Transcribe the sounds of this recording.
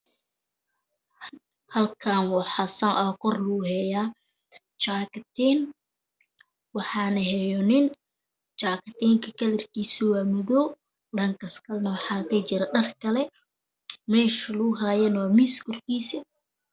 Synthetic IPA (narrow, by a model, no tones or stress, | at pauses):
hɐlkʰaːnwɑħɑsɐnʔɔːkʰɔrluɦɛjaː | t͡ʃaːkt̪ʰɛn | wɑħɑːnɐɦɛjɔnɪn | t͡ʃaːkt̪ɛːŋkʰɐkʰɐlɪrkiːsiwaːmɔðɔː | ɖɐŋkɐskʰɐlnɐwɑħɑːkʰɐt͡ʃɪɾɐɖɐrkʰɐlɛ | mɛːʃluɦaːjɐnwaːmiːskʊrkiːsɪ